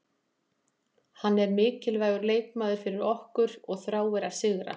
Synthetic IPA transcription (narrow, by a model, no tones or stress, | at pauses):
hanːɛɾmɪːcɪlvaːjɣʏɾleːjkmaːðʏɾ̥fɪɾɪɾɔhkʏɾɔɣθɾaːwɛɾaðsɪɣɾa̰